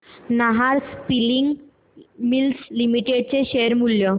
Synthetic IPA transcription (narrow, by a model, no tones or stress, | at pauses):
naɦaɾspiliŋɡ | milslimiʈeɖ̚t͡seɕeəɾmuljɔ